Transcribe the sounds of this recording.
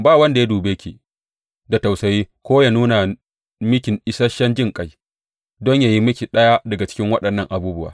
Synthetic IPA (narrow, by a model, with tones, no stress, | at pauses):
baː˦˨wɐ˦nda˨ja˦duː˨be˦kʲḭ˨ | da˨ta˨wsɐ˨jiː˦kʷoː˦ja˨nuː˦na˨ | mɪ˦kʲɪ˨ŋʔɪ˦sɐ˦ʃɐ˦nd͡ʒɪ˦ŋkʼa˦˨j | dɔ˦ɲjaː˨ji˦mɪ˦kʲi˨ɗɐ˦ja˦dɐ˨ɡa˨t͡ʃɪ̥˦kʲɪ˦ŋwɐ˦ɗɐ˨nːɐ˦˨ŋʔa˨buː˦bʊ˦wa̰ː˦